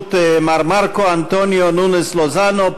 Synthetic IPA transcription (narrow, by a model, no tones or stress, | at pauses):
t̪emaɾmaɾkoant̪onjonuneslozano